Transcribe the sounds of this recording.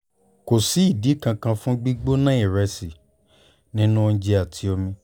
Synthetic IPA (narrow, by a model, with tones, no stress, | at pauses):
ko˨si˨˦i˦˨di˨˦kã˧kã˧fũ˦ɡ͡bi˦ɡ͡bo˦nã˦i˦˨ɾɛ˧si˨ | nĩ˦nũ˦˧n̩˦d͡ʒe˧˦a˨tʰi˨˦o˧mĩ˧